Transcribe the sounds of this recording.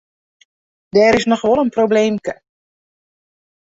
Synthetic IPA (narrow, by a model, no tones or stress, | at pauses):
dɛːɾɪsnɔxʋɔlˠənprobleːmkə